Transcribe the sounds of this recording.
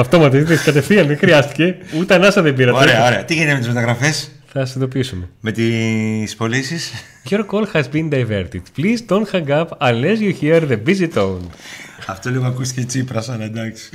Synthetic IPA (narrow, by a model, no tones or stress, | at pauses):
ɐft̪o̞mɐt̪ɐiðekɐt̪efθiɐnexɾiɐst̪i̥ce̞ut̪ɐnɐsɐðembiɾɐot̪eɾeɐoɾeɐt̪iʝinit̪eme̞t̪izmet̪ɐɣɾɐfesθɐsind̪o̞piisumeme̞t̪ispo̞lisis | ʝoɾkolxɐzbind̪ɐjveɾt̪it̪plizt̪onxɐŋɡɐpɐnlezjuçiɐɾðebizit̪ownɐft̪oliɣoɐkust̪i̥cet͡sipɾɐsɐnɐd̪ɐksi̥